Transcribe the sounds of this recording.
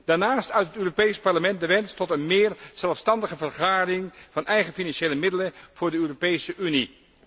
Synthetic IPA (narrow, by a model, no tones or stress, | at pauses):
d̥aːɹnaːstœɥtətøːropejspɑɹləmɛnt̚dəʋɛnstɔtənmɪːɹz̥ɛlˠfstɑndəχəvəɹχaːdɪŋv̥ɑnʔɛjχəfinɑnʃejləmɪdələv̥ʊːɹdəøːropejsəʔyni